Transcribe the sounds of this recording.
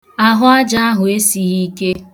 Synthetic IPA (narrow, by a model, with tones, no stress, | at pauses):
a˦ɦʊ˦a˦d͡ʒa˦a˦ɦʊ˨e˦si˨ɦi˦ke˦